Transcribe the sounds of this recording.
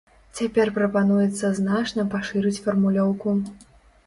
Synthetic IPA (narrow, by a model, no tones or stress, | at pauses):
t͡sʲapʲɛrpɾɐpanujɛt̪sːɐznat͡ʂnɐpaʂɨɾɨt͡sʲfɐrmulʲɔwku